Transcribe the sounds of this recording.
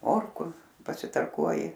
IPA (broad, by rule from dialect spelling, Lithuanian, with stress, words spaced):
ˈmoːrkʊ pɐsʲɪtɐrˈkuɔjɪ